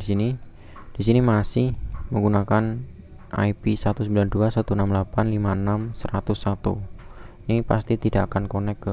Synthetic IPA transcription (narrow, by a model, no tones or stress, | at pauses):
disini | d̥isinimasɪhməŋɡunakan | a̰jpisəat̪usəmbilanduasat̪uənamlapanlimaənamsəɾat̪ʊsːat̪ṵnipast̪it̪idaʔakankonɛkːə